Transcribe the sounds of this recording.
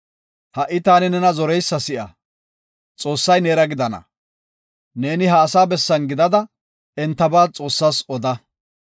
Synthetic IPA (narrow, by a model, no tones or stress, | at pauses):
hɐʔɪt̪aːnɪnɛnɐzɔɾɛjsːɐsɪʔɐ̰ | t͡sʼo̞ːsːɐjneːɾɐɡɪd̪ɐnɐ̰ | ne̞ːnɪɦɐːsaːbɛsːɐnɡɪd̪ɐd̪ɐ | ɛnt̪ːɐbaːt͡sʼo̞ːsːaːsɔd̪ɐ